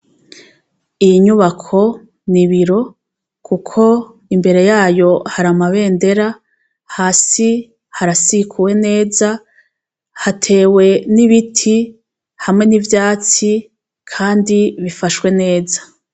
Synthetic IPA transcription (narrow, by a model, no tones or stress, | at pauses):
ijiɲuβakʰo̞ | niβiɾo̞ | kukʰo̞ | imbe̞ɾe̞jaːjo̞haɾamaβe̞ːnde̞ɾa | haːsi | haɾasikʰuwe̞ne̞ːza | hatʰe̞ːwe̞niβitʰi | hamŋe̞nivjaːt͡si | kʰaːndiβifaʃwe̞ne̞ːzḁ